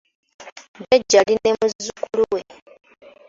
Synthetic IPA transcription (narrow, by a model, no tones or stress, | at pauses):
deɟːaline̞muzukuluwe̞e